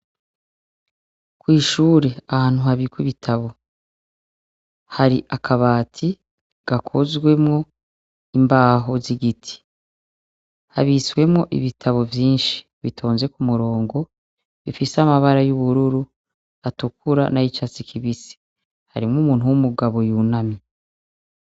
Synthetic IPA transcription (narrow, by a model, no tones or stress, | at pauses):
kwiːʃuːɾe̞ahaːn̥huhaβikwiβitʰaβo̞ | haɾiʔakʰaβaːtʰi | ɡ̥akʰozɡwe̞mŋo̞ | imbaːɦo̞ziɡitʰi̥ | ha̰βiswe̞mŋo̞ʔḭβitʰaβo̞vjiːnʃi̥ | βitʰo̞ːnze̞kumuɾo̞ːŋɡo̞ | βifisamaβaɾajuβuɾuɾu | atukuɾa̰najit͡ʃat͡sikʰiβisi̥ | haɾimŋumuːn̥uwumuɡaβo̞junami